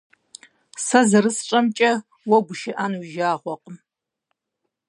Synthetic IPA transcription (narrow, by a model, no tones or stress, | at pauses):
sɐzɐɾɨsʈ͡ʂʼɐmt͡ʃʼɐ | wɔɡʷʊʃɪʔanwuʒaːʁʷɔqʼəm